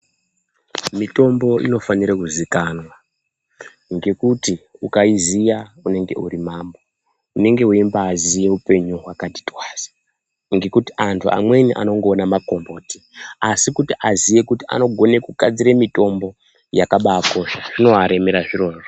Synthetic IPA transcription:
mito̞mbo̞ḭno̞faniɾekuzikanwa | ŋɡe̞kutiukaizijaune̞ŋɡe̞̰urimaːmbo | une̞ŋɡe̞ɦuimbaːzije̞upe̞ɲuɦwakati̥twaːzḁ | ŋɡe̞kutiʔantʰuʔa̰mwe̞niʔa̰no̞ŋɡoːnamako̞mbo̞ːti̥ | asikutiʔazije̞kutia̰no̞ɡʱo̞ne̞kukad͡ziɾemito̞mbo̞ | jakaɓaːko̞ʃaʐino̞aɾe̞meɾaʐiro̞ːro

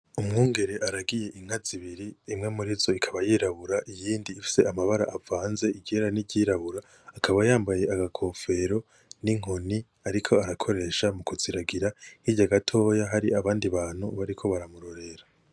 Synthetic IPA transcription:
umŋuːŋɡe̞ɾe̞ʔaɾaɡije̞ʔiŋ̥haziβiɾiːmŋe̞muɾizo̞ikʰaβajiːɾaβuɾaʔijiːndiːfi̥se̞amaβaɾaʔavaːnze̞iɡeɾaniɟiːɾaβuɾaː | kʰaβajaːmbaje̞ʔaɡakʰo̞fe̞ɾo̞ | niŋ̥o̞ni | aɾikʰo̞aɾakʰo̞ɾe̞ʃamukuz̥iɾaɡiɾahiɟaɡatʰo̞ːjaɦaɾiaβaːndiβaːn̥huβaɾikʰo̞βaɾamuɾo̞ɾe̞ɾa

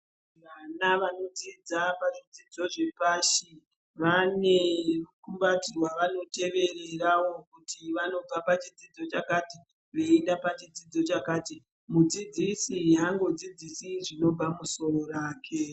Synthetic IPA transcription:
ʋanaʋano̞d͡zid͡zapaʐid͡zid͡zo̞ʐepaːʃi | ʋaneukumbatirwaʋano̞te̞ʋe̞re̞raʋo̞kutʰiʋano̞b͡vapat͡ʃid͡zid͡zo̞t͡ʃakati | ʋe̞endapat͡ʃid͡zid͡zo̞t͡ʃakaːti | mud͡zid͡zisiɦaŋɡo̞d͡zid͡zisiʐino̞b͡vamuso̞roraːkʰe̞

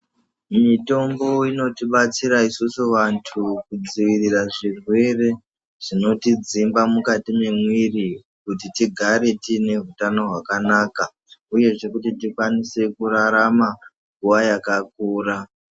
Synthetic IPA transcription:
mito̞mbo̞ino̞tiɓat͡siɾaisusuʋantʰukud͡ziʋiriraʐirwe̞re̞ | ʐ̥ino̞tid͡zimbamukatime̞mwiri | kutitiɡʱaɾe̞tine̞ɦutano̞ɦwakanaːka | uje̞ʐe̞kutitikwanise̞kuɾaɾama | ŋɡuʋajakakuːra

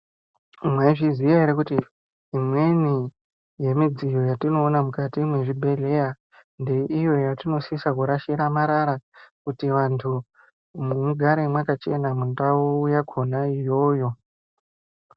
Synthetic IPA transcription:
mwaiʐizwijaiɾekutiː | mwe̞ni | je̞mid͡zijo̞jatino̞ːnamukatimwe̞ʐibʱe̞ɮe̞ja | nde̞ijo̞jatino̞sisakuɾaʃiɾamaɾaɾakutiʋantʰu | mumuɡʱaɾemwakat͡ʃe̞namundaujaɡʰʱo̞naijo̞ːjo̞

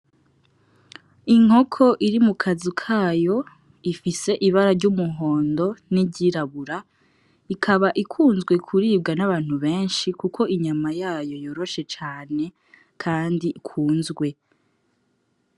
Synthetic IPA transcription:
iŋ̥o̞kʰo̞ʔiɾimukʰazikʰaːjo̞ | ifise̞ʔiβaɾaɾɟumuɦo̞ːndo̞niɟiɾaβuɾa | ikʰaβaʔikʰuːnzɡwe̞kʰuɾiːb̚ɡanaβaːn̥huβe̞ːnʃikukʰo̞ʔiɲamajaːjo̞jo̞ɾo̞ʃe̞t͡ʃaːne̞ | kʰaːndiʔikʰuːnzɡwe̞

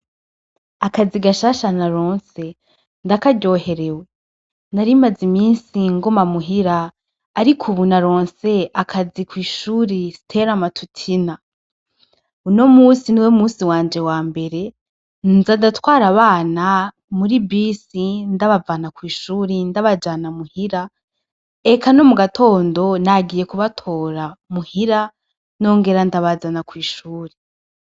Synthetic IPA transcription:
akad͡ziɡaʃaːʃanaɾo̞ːnse̞ | ndakaɟo̞ːhe̞ɾe̞we | naɾimazimiːnsiŋɡo̞mamuɦiɾaː | ɾikʰuβunaɾo̞ːnse̞akʰazikwiːʃuːɾisi̥tʰe̞ɾamatʰutʰina | uno̞muːsiniweumuːsiwaːnd͡ʒe̞waːmbe̞ɾe̞ | nnzadatwaːɾaβaːna | muɾibisindaβavanakwiːʃuːɾindaβad͡ʒanamuhiɾa | ekano̞muɡatʰo̞ːndo̞naɡije̞kuβatʰo̞ːɾamuhiɾa | no̞ːŋɡe̞ɾandaβazanakwiːʃuːɾe

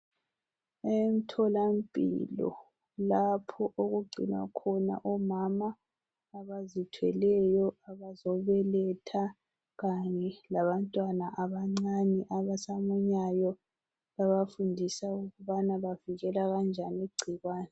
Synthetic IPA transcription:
em̩tʰɔlampʼḭlɔ̰ | lapʰɔʔoɣuɡ͡ǀʱḭnwa̰kʰɔna̰ʔɔmamaː | βazitʰwɛlɛjɔaβazɔβɛlɛtʰa | ɣaɲɛlaβantʼwanaʔaβaŋ͡ǀanɛʔaβasamuɲajɔ | βaβafundʱisauɣuβanaβaviɣɛlaɣand͡ʒʱaniɡ͡ǀʱiɣwaːnɛ

